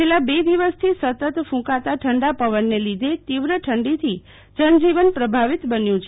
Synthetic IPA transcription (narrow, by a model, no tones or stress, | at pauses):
t͡ʃelabed̪iʋəst̪ʰisət̪ət̪fũkat̪aʈʰəɳɖapəʋənːelid̪ʱet̪iʋɾəʈʰəɳɖit̪ʰi | d͡ʒənd͡ʒiʋənpɾəbʱaʋit̪bənjũt͡ʃʰe